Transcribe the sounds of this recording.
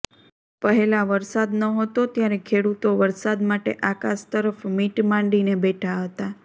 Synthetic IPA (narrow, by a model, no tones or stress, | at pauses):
pəɦelaʋəɾsad̪nəɦət̪ot̪jaɾekʰeɽut̪oʋəɾsad̪maʈḛʔakaʃt̪əɾəfmiʈmãɳɖinebeʈʰaɦət̪a